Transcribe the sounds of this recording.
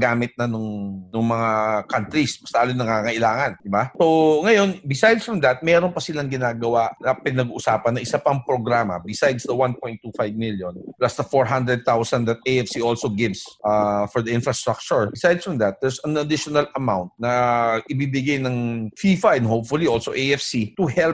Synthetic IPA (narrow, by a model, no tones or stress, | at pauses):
ɡaːmɪt̪̚nɐnʊŋnʊŋmɐŋakant̪ɾisbɐst̪aalojnɐŋaŋɐʔɪlaːŋɐnd̪ɪbasoŋɐjo̞nbɪsajd̪sfɹɐmd̪ɐt̪̚mɛːɾonpɐsɪlaŋɡɪnaːɡɐwaʔnɐpɪnɐɡuːʔʊsaːpɐnːɐʔɪsapɐŋpɾoɡɾaːmɐ̰bɪsajd̪sd̪ɐwanpojnt̪ːufajvmiljonplasd̪ɐfoɹɦand̪ɾɛd̪̚t̪awsɐnd̪ɐt̪̚eɛfsiʔolsoɡɪvsʔafɔɹd̪ɐʔɪ̃nfɹɐst̪ɾak̚t͡ʃʊɹbɪsajd̪sfɐmd̪ɐt̪̚d̪ɛɹsɐnɐd̪ɪʃonɐlɐmawnt̪̚nɐʔɪbibɪɡajnɐŋfiːfɐʔɛ̃nd̪ɦopfʊliʔolsoʔeʔɛfsit̪ʊhɛlp